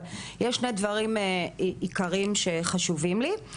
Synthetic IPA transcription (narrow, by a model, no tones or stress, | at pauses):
jɛʃnejd̪vɐʁimeikaʁimʃeχaʃuvimli